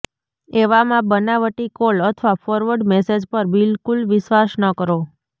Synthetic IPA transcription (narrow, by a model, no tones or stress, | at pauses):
eʋamãbənaʋəʈikoɭət̪ʰʋafʰɔɾʋəɖmɛsed͡ʒpəɾbɪlkulʋɪʃʋasnəkəɾo